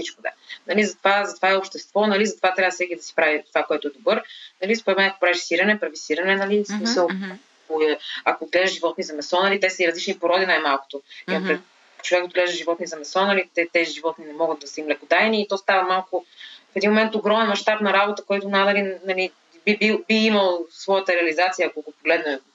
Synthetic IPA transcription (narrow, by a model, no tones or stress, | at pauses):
sit͡ʃkʊd̪a̰nɐlizɐt̪ovazɐt̪ovaɛopʃt̪ɛst̪vɔnɐlizɐt̪ovat̪ɾʲavəsɛkid̪ɐsɛ̥pɾavit̪ovakoɛt̪ʊɛd̪obɤɾnɐlispoɾɛt̪mɛnɐko̥pɾaviʃsiɾɐnɛpɾvisiɾɐnɛnɐlismisəlˠ | koɛɐkoːd̪ɡlɛʒəʒivɔt̪nizɐmɛsɔnɐlit̪ɛsəiɾɐzlit͡ʃnipoɾɔd̪inajmalˠko̥t̪oimɐmpɾɛ | t͡ʃovɛkod̪ɡlɛʒd̪ʒivɔt̪nizɐmɛsɔnɐlit̪ɛt̪ɛziʒivɔt̪ninɛmɔɡət̪̚d̪ɐsimlɛkod̪ajniːt̪ɔst̪avɐmalˠkʊfɛd̪inmomɛnt̪oɡɾɔmɛnmɐʃt̪apnɐɾabot̪əkɔjt̪ʊnanɐlinɐli | bibibiiməlˠsvɔjət̪əɾɛɐlizat̪sijəːkoɡopoɡlɛd̪nɛ